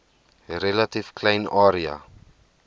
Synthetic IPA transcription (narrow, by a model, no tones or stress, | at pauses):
ɾelatifklɛjnaːɾia̰